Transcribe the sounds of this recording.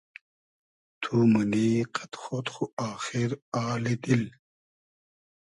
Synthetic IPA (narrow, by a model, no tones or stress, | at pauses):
t̪ʰuːmɐniqɐt̪xoːt̪xuaːxiɾaːled̪il